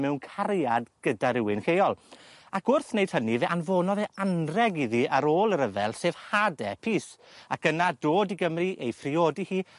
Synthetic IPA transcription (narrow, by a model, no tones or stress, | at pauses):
mɛwnkʰaɾjadɡ̥ədaɾɪwɪnkejɔlˠakʊrθnejd̥hənivɛʔanvɔːnɔðɛʔanrɛɡiðiaɾoːlˠəɾəvɛlˠseːv̥hadɛpʰiːs | akənadoːdiɡəmriʔejfrɪoːdihiː